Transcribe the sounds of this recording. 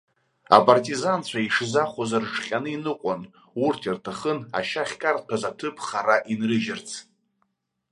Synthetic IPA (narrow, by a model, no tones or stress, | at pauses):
a̰pʼartʼizant͡ɕʷʰaiʂzaχʷazarʈ͡ʂχʲanɨinɨqʷʼan | urtʰirtʰaχəna̰ʃaχʲkʼartʰazatʰɨpʰχaɾaʔinrɨʒɪrt͡sʰ